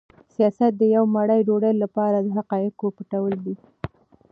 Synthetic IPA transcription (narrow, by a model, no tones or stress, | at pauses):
sijɑsat̪̚d̪əjawmaɽajɖoɽəjlːapɑɾad̪əɦaqɑjɪkopəʈawəld̪i